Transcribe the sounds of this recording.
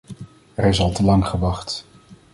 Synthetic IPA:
ɛɾɪsɑlˠtəlɑŋχəʋɑχt

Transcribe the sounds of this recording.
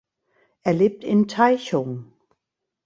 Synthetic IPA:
æɐle̝b̥̚d̥ent͡sʰaɪɕoŋ

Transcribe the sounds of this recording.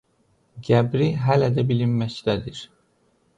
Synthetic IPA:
ɟæbɾiɦælæd̪æbilimːæct̪æd̪iɾ̥

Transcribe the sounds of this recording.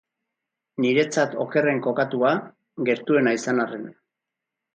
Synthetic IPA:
niɾe̞t͡sat̪o̞̰ke̞re̞ŋko̞kat̪ua | ɡe̞ɾt̪ue̞naisanaren

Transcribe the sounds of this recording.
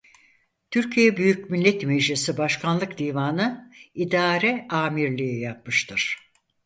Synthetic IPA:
t̪ʰyɾcʰijɛbyjycmilʲːɛt̪meʒlʲisibaʃkʰanlˠɯkd̪iːvaːnɯid̪aːɾɛaːmiɾlʲijijap̚mɯʃt̪ʰɯɾ̥

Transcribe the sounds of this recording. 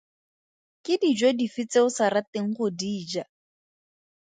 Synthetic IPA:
kʼɪdid͡ʒodifɪt͡sʼeʊsaɾateŋ̩χʊdiːd͡ʒa

